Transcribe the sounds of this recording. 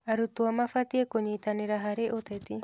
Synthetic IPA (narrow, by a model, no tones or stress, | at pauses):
aɾut̪uamafat̪iekoɲeit̪aneɾaɦaɾeʔot̪et̪i